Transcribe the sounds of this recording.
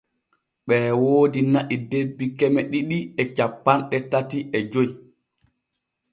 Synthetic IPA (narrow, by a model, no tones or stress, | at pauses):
ɓɛːwoːdinaʔidebːikɛmɛɗiɗiɛt͡ʃapːanɗɛtatiʔɛd͡ʒoj